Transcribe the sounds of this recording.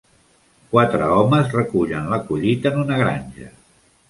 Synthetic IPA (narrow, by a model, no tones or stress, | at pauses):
kwat̪ɾəɔməzrəkuʎənləkuʎit̪əːnunəɣ̞ɾaɲʲʒə